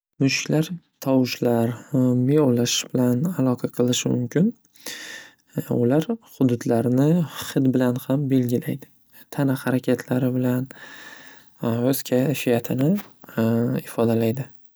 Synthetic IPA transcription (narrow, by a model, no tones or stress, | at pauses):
mʊʃɪ̥kʲlaɾ | t̪ʰɒwɪʃlaɾmeolaʃbɪlanalˠɒqʰɑqʰɨlˠɪʃɪmʊ̰mkʲʰɪn | ʊ̰laɾχʊd̪ʊd̪laɾnɪχɪd̪bɪlanhambe̞lɡʲɪlajd̪ɪ | t̪ʰanahaɾakʲʰet̪ʰlaɾɪbɪlan | ɵz̥kʲʰafijat̪ʰɪnɪ | ɪfɒd̪alajd̪ɪ